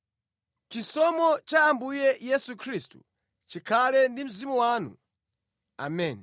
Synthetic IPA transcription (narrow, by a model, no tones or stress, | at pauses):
t͡ʃisɔmɔt͡ʃaːmbujɛjɛsukʰɾistṵ | t͡ʃikʰalɛndim̩zimuwaːnṵ | a̰mɛn